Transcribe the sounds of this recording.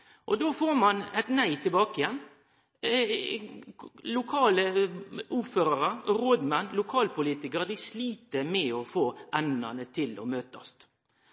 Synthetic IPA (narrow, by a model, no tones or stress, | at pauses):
ʔɔd̪oːfoːɾmɑnɛt̪næɪt̪ʰɪlbɑːkɪjɛnː | lʊkʰɑːləʊføːɾɑɾəɾoːd̪mɛnːlʊkʰɑːlpʰʊliːt̪ɪkəɾd̪ɪsliːt̪əmɛɔfoːʔɛnə̰nət̪ʰɪlɔ̰møːt̪ɔ̰st̪